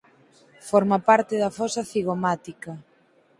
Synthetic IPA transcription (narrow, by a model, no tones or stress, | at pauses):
fɔɾmapaɾt̪ɪðɐfɔsaθiɣomat̪ikɐ